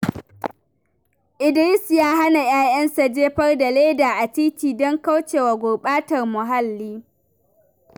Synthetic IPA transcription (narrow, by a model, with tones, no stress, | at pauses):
ʔɪ˨dɪ˦ɾɪ˦sjaː˦ɦa˦na˨j̰aː˦jɐ˦nsa˨d͡ʒeː˦ɸɐ˦rda˨leː˦daː˨ʔa˨t͡ʃiː˦tʲiː˨dɔ˦ŋka˦wt͡ʃeː˨wa˨ɡʷʊ˨ɓaː˦tɐ˨rmʊ˨ɦa˦lːiː˦